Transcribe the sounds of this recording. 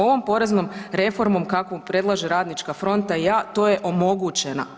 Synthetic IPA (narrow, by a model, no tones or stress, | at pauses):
o̞ʋo̞mpo̞ɾe̞zno̞mɾe̞fo̞ɾmo̞mkakoupɾe̞d̪lˠaʒeɾaːd̪nit͡ʃkafɾo̞nt̪aijaːt̪o̞ːjeʔo̞mo̞ɡut͡ɕena̰